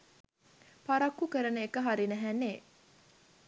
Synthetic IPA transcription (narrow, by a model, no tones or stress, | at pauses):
paɾakːukəɾənəekəɦaɾinæɦænːe